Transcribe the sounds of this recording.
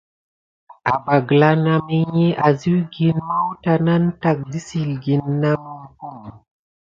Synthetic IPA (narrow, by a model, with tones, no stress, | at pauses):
a˨ba˨ɡla˦na˨me˦ɲe˦ʔa˨zi˦wɡi˨nma˦wta˦na˦nta˨k̚di˦si˨lɡi˨nːa˦mu˦ku˦m˨